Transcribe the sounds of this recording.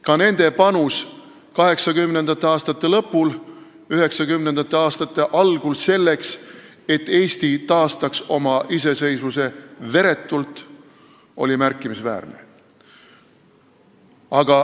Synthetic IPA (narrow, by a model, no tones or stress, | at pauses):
kɑne̞nd̪̥e̞pɑnus | kɑɦe̞ksɑkymne̞nd̪̥ɑt̪ːeɑːst̪ɑt̪ˑːe̞lɤ̞pːul | yɦe̞ksɑkymne̞nd̪̥ɑt̪ˑːe̞ɑːst̪ɑt̪ːˑe̞ʔɑlɡ̥ulse̞lːe̞ks | e̞t̪ːˑe̞ːst̪it̪ɑːst̪ɑkso̞mɑʔise̞se̞jsvuse̞ve̞ɾe̞t̪ːˑult̪ˑ | o̞̰lʲimærkːˑimisvæ̰ːrnḛ | ɑɡ̥ɑ